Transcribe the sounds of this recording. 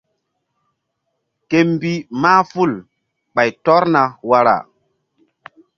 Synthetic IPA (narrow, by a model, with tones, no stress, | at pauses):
ke˦mbi˦maː˦fu˦l | ɓa˨jtɔ˦ɾna˨wa˨ɾa̰˨